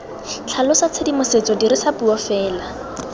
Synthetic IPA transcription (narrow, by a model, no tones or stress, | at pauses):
t͡ɬʰalɔsat͡sʰedimʊset͡sɔdiɾisapuɔfɛːla